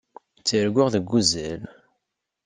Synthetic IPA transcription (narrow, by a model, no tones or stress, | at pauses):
t͡sːiɾɡʷʊʁðəɡʷːuzæl